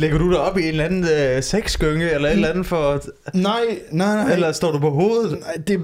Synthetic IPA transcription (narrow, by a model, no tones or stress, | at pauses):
leɡ̥ɐɾ̥ud̥eɒ̽b̥ie̝ːnlænn̩seɡ̥sɡ̥øŋəelɐed̥lænð̩ˠfɒnɑɪnaelɐsd̥ɒ̰ːd̥upʰɒ̽ɦo̝ːð̩ˠɪd̥e